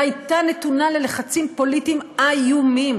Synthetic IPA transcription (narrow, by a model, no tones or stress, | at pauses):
ajtane̞tunale̞le̞χat͡simpo̞litimajumim